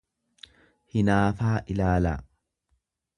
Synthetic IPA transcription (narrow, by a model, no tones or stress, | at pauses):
hɪnaːfaːʔɪlaːla̰ː